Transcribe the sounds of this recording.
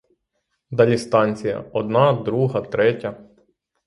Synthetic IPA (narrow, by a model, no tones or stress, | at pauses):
d̪ɑlʲist̪ɑnʲt͡sʲijɐ̰ɔd̪nɑd̪ɾuɦɐt̪ɾɛtʲɐ